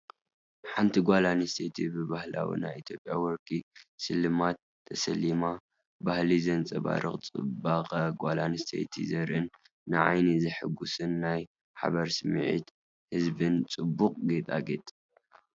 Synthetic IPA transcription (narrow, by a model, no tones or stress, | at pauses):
ħant̪ʰiɡʷalanist̪ʰet̪ʰibɨβahla̰wḭna̰jit̪ʰjo̞pʼjawɔɾkʰʼisɨlɨmat̪ʰːɐsɐlima | bahlizɐnt͡sʼɐβa̰ɾʔɨχʼt͡sʼɨ̰baqʼɐɡʷalanist̪ʰḛt̪ʰḭzɐɾʔɨnː | ɨʕa̰jnizɨħɨɡusɨnːaj | ħa̰βɐɾsɨmʕḭt̪ | hɨzbɨnt͡sʼɨbːuqʼɡet̪ʼaɡet̪ʼ